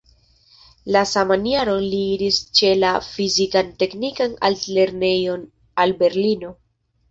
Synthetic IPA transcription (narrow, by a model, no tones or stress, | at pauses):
lasamaniaɾo̞nliiɾist͡ʃe̞lafizikante̞knikana̰ltle̞ɾne̞jo̞n | albe̞ɾlino̞